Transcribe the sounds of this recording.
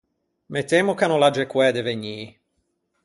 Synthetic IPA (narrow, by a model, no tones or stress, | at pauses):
met̪ːeːmokanolad͡ʒɛkwɛːd̪eveɲːiː